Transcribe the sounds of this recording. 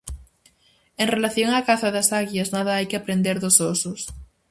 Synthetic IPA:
enrelaθjoŋaːkaθaðasaɣjaznað̞aajkeapɾend̪eɾðososos

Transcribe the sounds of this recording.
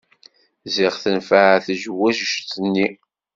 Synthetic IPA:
zɪʁθənfəʕθʒwæʒəʃθənːi

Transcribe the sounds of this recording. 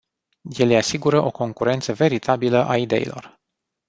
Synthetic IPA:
je̞lejasiɡuɾəʔo̞ko̞ŋkuɾe̞nt̪səve̞ɾit̪ʰabiləʔaid̪e̞̰ḭlo̞̰r

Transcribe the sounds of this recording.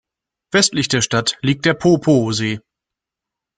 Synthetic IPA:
vɛstlɪçd̥eːɐʃtatliːk̚t̚d̥eːɐpʰoːpʰoːzeː

